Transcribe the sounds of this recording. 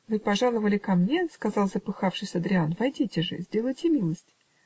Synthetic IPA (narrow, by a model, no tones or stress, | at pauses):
vɨpɐʐalˠəvəlʲɪkɐmnʲeskɐzɑlˠzəpɨxafʂɨsʲɐd̪ɾʲɪanvɐjdʲitʲɪʐɨ̰zʲdʲelˠəjtʲɪmʲilˠəsʲtʲ